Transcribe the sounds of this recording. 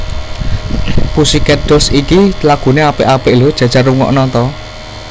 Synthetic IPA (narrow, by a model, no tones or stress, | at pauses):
pusikɛɖ̥osikilaɡ̥ṳneapɪʔapɪʔlod̥ʒ̥a̤̥ʒ̥a̤ruŋɔ̰ʔnɔnt̪ɔ